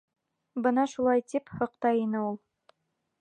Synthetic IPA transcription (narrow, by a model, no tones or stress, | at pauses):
bɤnɑʃulˠɑjt̪iphɤ̆qt̪ɑjinɘulˠ